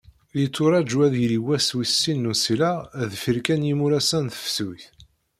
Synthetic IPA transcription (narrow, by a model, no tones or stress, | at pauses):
jit͡sːʊɾˤɑd͡ʒuæðjliwæswisːinːusilæðfiɾkænjimuɾæsænθə̥fsuθ